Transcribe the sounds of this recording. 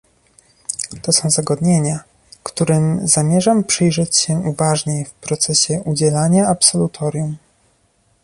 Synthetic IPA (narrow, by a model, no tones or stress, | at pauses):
t̪ɔsɔ̃w̃zaɡɔd̪ɲeɲa | kt̪uɾɘmzamʲjɛʐampʂɘjʐɛt͡ɕɕɛʔuvaʐɲejfpɾɔt̪sɛɕɛʔud͡ʑɛlaɲaapsɔlut̪ʰɔɾʲjum